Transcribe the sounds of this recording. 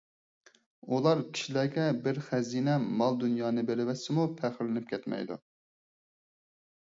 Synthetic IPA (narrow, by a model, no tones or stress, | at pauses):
ulˠɑɾkʲʰi̥ʃilæɡʲɛbɪɾχɛziːnɛmɑlˠd̪unjɑːnɨbeɾɪvɛsːɪmupʰæχɪɾlɪnɪp̚kʲʰɛt̪mɛ̰jd̪ṵ